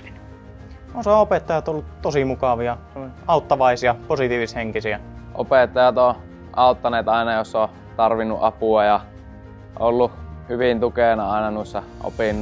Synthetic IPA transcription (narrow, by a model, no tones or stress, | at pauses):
onsɑopet̪ːɑjɑt̪olːut̪t̪osimukɑʋijɑseonʲɑˑut̪ːɑʋɑˑisiɑposit̪iːʋisheŋkisiæʔo̰pet̪ːɑjɑt̪o | ʔɑˑut̪ːɑneːt̪ɑˑenɑjosːo | t̪ɑrʋinːṵʔʔɑpuɑjɑ | ʔolːuhyʋint̪ukenɑɑˑenɑnuˑesːɑ | ʔo̰pinː